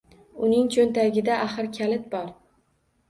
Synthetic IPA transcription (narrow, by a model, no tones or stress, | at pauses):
ʊnɪŋt͡ʃʰont̪ʰaɡʲɪd̪aʔaχɨɾkʲʰalɪt̪̚bɒɾ